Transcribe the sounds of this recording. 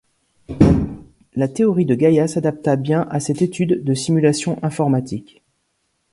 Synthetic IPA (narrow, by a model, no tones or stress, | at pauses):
lat̪eɔʁid̪əɡajasad̪ap̚t̪abjɛ̃ʔasɛt̪et̪yd̪ːəsimylasjɔ̃ʔɛ̃fɔʁmat̪ʰik